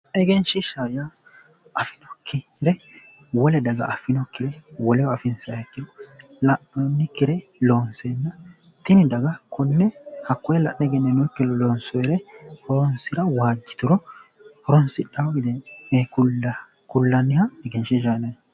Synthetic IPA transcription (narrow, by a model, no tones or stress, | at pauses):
ɛɡɛnʃɪʃaja | ɐfɪ̥nɔkːɪɾɛ | wɔlɛd̪ɐɡɐ̰ʔɐfɪnɔkːɪɾɛwɔlɛwɐfɪnsɐɛkːɪɾɔ | lɐʔɔnːɪkːɪɾɛloːnsenːɐt̪ɪnɪd̪ɐɡɐkʰʊnːɛhɐkːɔjɛlɐ̰ʔːɛɡɛnːɛnɔkːɪlɔloːnsɔɛɾɛhɔɾɔnsɪɾɐwaːd͡ʒːɪ̥t̪ʊɾɔ | hɔɾɔnsɪᶑɐwɡɪd̪ɛɛkʊ | kʊlːɐnːɪhɐɛɡɛnʃɪʃanɐ